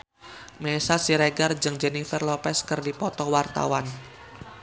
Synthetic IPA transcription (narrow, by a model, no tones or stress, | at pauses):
mesasiɾeɡard͡ʒɨŋd͡ʒɛnifərlɔpɛskɨrdipɔt̪ɔwart̪a̰wan